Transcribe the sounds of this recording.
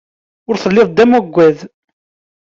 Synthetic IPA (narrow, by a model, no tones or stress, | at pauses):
ʊɾθəlːeðˤd̪ːæmæɡʷːæð